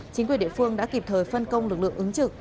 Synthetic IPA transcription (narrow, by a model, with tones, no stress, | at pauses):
t͡ɕi˨˦ŋk̬wəɗḭ˧˨fɨ˧əŋɗa̰ː˧˥ki˨˩p̚t̪ʰəː˨˩jfə˧nkə˧wŋ͡mlɨ˨˩k̚lɨ̰˧˨əŋʔɨ˨˦ŋt͡ɕɨ˨˩k̚